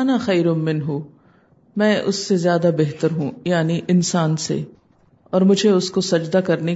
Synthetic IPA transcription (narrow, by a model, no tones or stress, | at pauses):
naxɐjɾʊmɪ̃nɦu | mɛ̃ːʔʊ̰sːezjaːd̪abeɦt̪əɾɦũːjaːniʔɪnsaːnsḛ | ɔːɾmʊd͡ʒʱeʊskosɐd͡ʒd̪akɐɾne